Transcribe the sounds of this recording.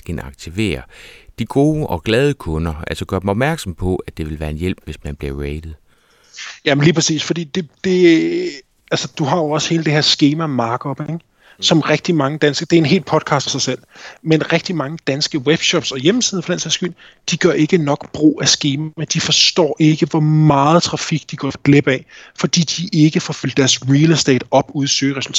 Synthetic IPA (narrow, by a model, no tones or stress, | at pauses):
ɡ̥ænɑ̈ɡ̥̚t͡sʰiʋe̝̰ːɐd̥iɡ̥o̝ːʔɒ̽ɡ̥lɛð̞ˠəkʰɔ̽nɐælsəɡ̥ɶɐdemɒ̽b̥mæɐɡ̥sɒ̽mpʰɒ̽æd̥e̝ʋe̝lʋæːɐe̝njel̰b̥ʋe̝smænb̥liɐʁeɪd̥ð̩ˠ | jæmenliːpʰʁɐsḭːsfɒ̽d̥ḭːd̥e̝d̥e̝ | ælsəd̥uɦɑ̈joɒ̽sə̥he̝ːləd̥ehḛɐsɡ̥e̝ːmæmɑ̈ːɡ̥ɒb̥eŋ | sɒ̽mʁɛɡ̥̚d̥imɑ̈ŋəd̥ænsɡ̥ɐd̥e̝æɐe̝nɦe̝̰ːl̥pʰɒ̽d̥̚kʰɑ̈ːsd̥ɒsɑ̈ɪsel̰menʁɛɡ̥̚d̥imɑ̈ŋəd̥ænsɡ̥əweb̥ɕɒ̽b̥sɒ̽jem̩sið̩ˠfɒ̥d̥ænsiðˠsɡ̥yl̰ | d̥iɡ̥ɶɐe̝ɡ̥ənɒ̽ɡ̥b̥ʁo̝̰ːæsɡ̥e̝ːmæmend̥ifɒ̽sd̥ɒ̰ːʔe̝ɡ̥əʋɒmɑ̈ːð̞̩ˠt͡sʰʁɑ̈fiɡ̥̚d̥iɡ̥ɒ̰fɡ̥leb̥ɛfɒ̽d̥ḭːd̥iʔe̝ɡ̥əfɒfyld̥d̥æɐsʁiːlsd̥ḛːd̥ɒ̽b̥uð̞ˠsøːʁɛsul̩t͡sʰɛ̰ː